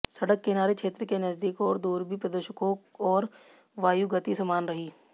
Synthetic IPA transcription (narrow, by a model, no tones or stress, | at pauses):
sɐɽəkːenaːɾekʰʃʰeːt̪ɾəkenɐzd̪iːkɔːɾd̪uːɾbʱipɾɐd̪əʃəkõkɔːɾ | ʋaːjuɡət̪isɐmaːnɾɐɦiː